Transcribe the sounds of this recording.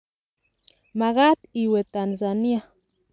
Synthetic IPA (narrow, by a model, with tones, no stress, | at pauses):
ma˨ɣa˦t̪i˧we˨t̪a˨nza˨nja˦